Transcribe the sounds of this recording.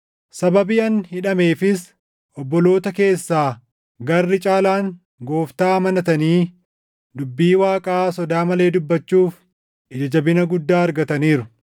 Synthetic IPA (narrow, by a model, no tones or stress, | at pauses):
sɐbɐbiɐnhɪᶑɐme̞ːfɪs | ʔɔbːɔlo̞ːt̪ɐke̞ːsːaː | ɡɐrːɪt͡ʃʼaːlaːŋ | ɡo̞ːft̪aːmɐnɐt̪ɐniː | d̪ʊbːiːwaːkʼaːsɔd̪aːmɐle̞ːd̪ʊbːɐt͡ʃːuːf | ʔɪd͡ʒɐd͡ʒɐbɪnɐɡʊd̪ːaːɐɾɡɐt̪ɐniːɾʊ